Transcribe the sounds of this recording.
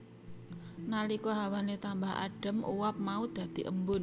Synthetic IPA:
nalikɔɦawanet̪ambaɦa̰ɖ̥ə̤mʔṵwap̚maud̪̥ä̤d̪̥i̤ʔə̰mbʊn

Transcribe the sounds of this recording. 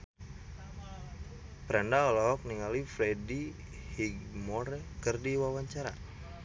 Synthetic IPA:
pɾʔandaɔlɔɦɔk̚niŋalifɾɛdi | hiɡmɔɾɛkɨrdiwawaɲt͡ʃaɾa

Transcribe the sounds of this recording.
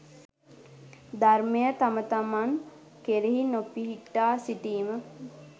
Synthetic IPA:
d̪armejət̪amət̪amaŋ | keɾiɦinopiɦiʈːaːsiʈiːmə

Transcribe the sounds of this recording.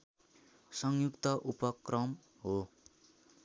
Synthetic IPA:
sʌŋjukt̪ʌʔupʌkrʌm | ɦo

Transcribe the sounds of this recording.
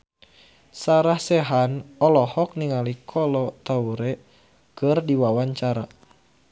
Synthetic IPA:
saɾahsɛɦanɔlɔhɔk̚niŋalikʰɔlɔt̪auɾɛ | kɨrdiwawaɲt͡ʃaɾa

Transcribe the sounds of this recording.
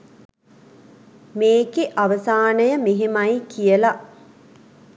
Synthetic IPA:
meːɡeʔaʋəsaːnəjəmeɦemajkijəla

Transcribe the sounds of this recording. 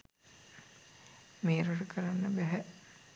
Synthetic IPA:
meːɾuʈəkʰəɾanːəbæɦɛ

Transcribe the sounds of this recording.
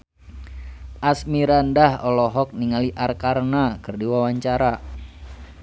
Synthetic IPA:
ʔasmiɾandahɔlɔɦɔk̚niŋaliʔarkarnakɨrdiwawaɲt͡ʃaɾa

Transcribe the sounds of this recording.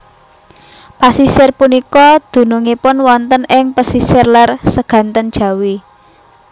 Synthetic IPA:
pasisɪrpunikɔd̪̥ṳnuŋipʊnwɔnt̪ənɪŋpasisɪrlarsəɡ̥ä̤nt̪ənd̥ʒ̥ä̤wi

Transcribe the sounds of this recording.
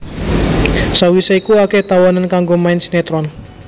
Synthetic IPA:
sawisaikuaket̪awɔnənkaŋɡomaɪnsnet̪ɾɔn

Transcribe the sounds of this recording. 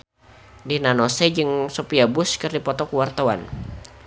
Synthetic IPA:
dinanosɛd͡ʒɨŋsopiabʊskɨrdipɔt̪ɔkuwart̪awan

